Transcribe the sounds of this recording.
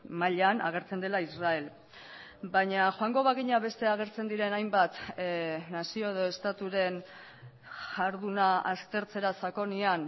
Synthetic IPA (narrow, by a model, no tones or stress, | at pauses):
maʎana̰ɣ̞e̞ɾt͡se̞nd̪e̞laisrae̞l | baɲaxoaŋɡo̞βaɣiɲaβe̞st̪e̞aɣ̞e̞ɾt͡se̞nd̪iɾe̞najmbat̪ | nasio̞e̞ðo̞e̞st̪at̪uɾe̞n | ʝaɾðunaast̪e̞ɾt͡se̞ɾasako̞nian